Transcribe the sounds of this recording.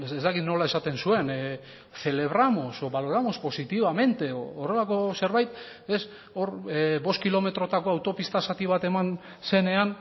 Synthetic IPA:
ezd̪akiðno̞lae̞sat̪e̞nsue̞n | θe̞le̞β̞ɾamo̞soβaloɾamo̞spo̞sit̪iβame̞nt̪e̞oːre̞lako̞se̞ɾβajt̪ | e̞s | o̞ɾβo̞skilo̞me̞t̪ɾo̞t̪ako̞awt̪o̞pist̪asat̪iβ̞at̪e̞man | se̞ne̞an

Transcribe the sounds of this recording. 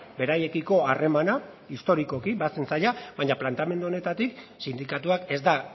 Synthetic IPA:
be̞ɾaje̞kiko̞are̞mana | ist̪o̞ɾiko̞kibase̞nsajaβaɲaplant̪ame̞nd̪uo̞ne̞t̪at̪iksind̪ikat̪uake̞zd̪a

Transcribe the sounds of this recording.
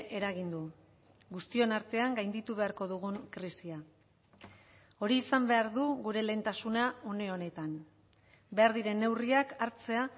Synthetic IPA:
ʔe̞ɾaɣ̞ind̪u | ɡust̪io̞naɾt̪e̞aŋɡajnd̪it̪uβ̞e̞aɾko̞ðuɣuŋkɾisia | o̞ɾiːsambe̞aɾðuɣuɾe̞le̞ːnt̪asunao̞ne̞o̞ne̞t̪an | be̞aɾðiɾe̞nːe̞wriakaɾt͡se̞a

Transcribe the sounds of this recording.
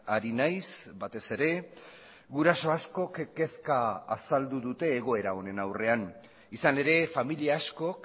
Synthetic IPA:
aɾinajsbat̪e̞se̞ɾe̞ | ɣuɾaso̞asko̞kke̞ska̰ːsald̪uðut̪e̞ːɣ̞o̞e̞ɾao̞ne̞nawre̞an | isane̞ɾe̞familiaːsko̞k

